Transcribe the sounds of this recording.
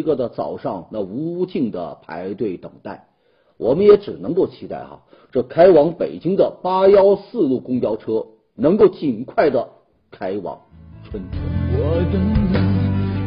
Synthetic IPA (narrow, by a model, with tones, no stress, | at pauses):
ɡə˥˧d̪ə˨˩t͡sɑ̰˨˩ʊʂɑ˥˧ŋna˥˩u˧˥t͡ɕi˥˩ŋd̪ə̰˩pʰa̰˧˥ɪt̪we˥˩ɪt̪ɤ̰˨˩ŋt̪a˥˩ɪ | wʔɔ˨˩mə˦njɛ˧˥ʈ͡ʂɻ̩˨˩nɤ˧˥ŋko˥˩ʊt͡ɕʰi˧˥t̪a̰˥˩ɪxɐ̰˧˩ | ʈ͡ʂɤ˥˩kʰa˥ɪwɑ˧˥ŋpe˨˩ɪt͡ɕi˥ŋd̪ə˨pa˥jɑ˥ʊsɹ̩˥˧lu˥˩kʊ˥ŋt͡ɕjɑ˥ʊʈ͡ʂʰɤ˥ | nɤ˧˥ŋko˥˩ʊt͡ɕi˨˩nkʰwa˥˩ɪd̪ə˩ | kʰa˥ɪwɑ̰˨˩˥ŋʈ͡ʂʰwə˥nt͡sʰə̰˥˩wɔ˨˧˩ʈ͡ʂə˥nd̪ə˧˩